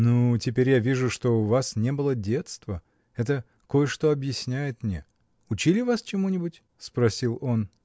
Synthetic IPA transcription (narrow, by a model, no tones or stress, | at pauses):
nutʲɪpʲeɾʲjavʲiʐʊʂt̪o̞ʊvasnʲe̞bɨlˠədʲe̞t̪st̪və | ɛt̪̬ə | ko̞jəʂt̪o̞ɐbjɪsʲnʲæjɪt̪mnʲḛ | ʊt͡ɕilʲɪvast͡ɕɪmunʲɪbʊtʲ | spɾɐsʲilˠo̞n